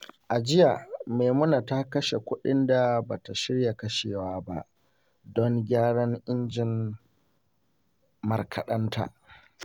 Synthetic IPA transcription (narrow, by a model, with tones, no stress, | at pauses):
ʔa˨d͡ʒɪ˦ja˨meː˨mʊ˦na˨ta˦kɐ˦ʃe˨kʷʊ˦ɗɪ˦nda˨baː˨ta˨ʃɪ˦rja˨kɐ˦ʃeː˨waː˦ba̰˦ʔ | dɔ˦ŋɡʲaː˦ɽɐ˦ŋʔɪ˦nd͡ʒɪ˨n | mɐ̰˨rkʰɐ˨ɗɐ˦ntʰa̰ː˨